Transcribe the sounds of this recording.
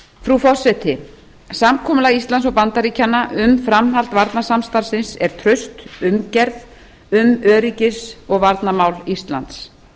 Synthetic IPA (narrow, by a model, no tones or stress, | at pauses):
fɾufɔr̥sɛt̪ʰɪ | samkʰɔːmʏlaist̪lansɔɣpant̪aɾiːcanːaʔʏmfɾamɦalt̪vaɾt̪nasamst̪aɾ̥sɪnsɛɾ̥t̪ʰɾœɥst̪ʏmcɛɾð | ʏmœːɾicɪsɔɣvaɾt̪namawlist̪la̰nt̪s